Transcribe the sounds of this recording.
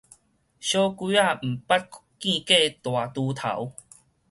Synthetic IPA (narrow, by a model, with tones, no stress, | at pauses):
ɕjɔ˦ki˦a˥˨m̩˨˩pa˦t̚kkĩ˥˧ke˥˧t̪wa˨˩t̪u˧t̪ʰa̰˨˦w